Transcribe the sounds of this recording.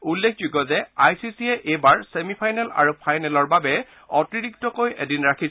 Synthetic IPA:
ulːekʰd͡ʒuɡɔzɛajsisiɛʔebaɹsemipʰajnɛla̰ɹupʰajnɛlɔɹbabɛ | ɔtiɹiktɔkojḛdinɹakʰi

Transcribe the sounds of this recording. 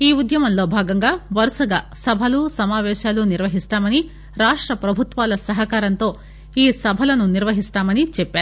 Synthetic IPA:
iːud̪jɐmɐnlo̞ːbʱaːɡɐŋɡaːʋɐɾsɐɡaːsɐbʱɐlusɐmaːʋɛːʃaːluniɾʋɐɦist̪aːmɐni | ɾaːʂʈɾɐpɾɐbʱut̪ʋaːlɐsɐɦɐkaːɾɐnt̪o̞ː | iːsɐbʱɐlɐnuniɾʋɐɦist̪aːmɐnit͡ʃɛpːeaːɾu

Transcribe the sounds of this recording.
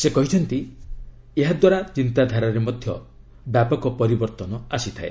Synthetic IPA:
sekɔɦit͡ʃʰɔnt̪i | eɦad̪waɾat͡ʃint̪ad̪ʱaɾaɾemɔd̪ʱjɔ̰ | bjapɔkɔpɔɾibɔɾt̪ɔnɔasit̪ʰaḛ

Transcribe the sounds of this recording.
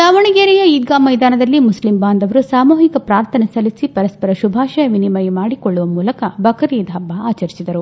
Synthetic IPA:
saːʋɐɳiɡeːɾɛjɐiːd̪̚ɡaːmːɐjd̪aːnɐd̪ɐlːimuslimbaːnd̪ɐʋɐɾusaːmoːɦikɐpɾaːɾt̪ʰɐnɐsɐlisipɐɾɐspɐɾɐʃubʱaːʃɐjɐʋinimɐjmaːɽikoɭːuʋɐmuːlɐkɐbɐkʰɐɾiːd̪ʱɐbːaaːt͡ʃɐɾisid̪ɐɾu

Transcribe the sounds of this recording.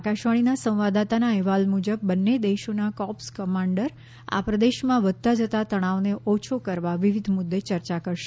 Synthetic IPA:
akaʃʋaɽ̃inasə̃ʋad̪at̪anaɛɦʋalmud͡ʒəb̚ːənːed̪eʃonakɔpskəmãɳɖəɾ | a̰pɾəd̪eʃmãʋəd̪̚t̪ad͡ʒət̪at̪əɽ̃aʋneʔot͡ʃʰokəɾʋaʋiʋid̪ʱmʊd̪ːet͡ʃəɾt͡ʃakəɾʃe

